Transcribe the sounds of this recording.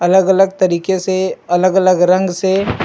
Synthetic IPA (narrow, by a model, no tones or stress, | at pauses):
ɐləɡələɡ̚t̪ɐɾiːkeseɐləɡələɡɾɐ̃ŋɡse